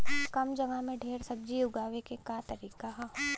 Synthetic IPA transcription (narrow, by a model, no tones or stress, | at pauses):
kɐmd͡ʒɐɡamẽɖʱeːɾsɐb̚d͡ʒiʊɡaːʋekekat̪ɐɾiːkaɦ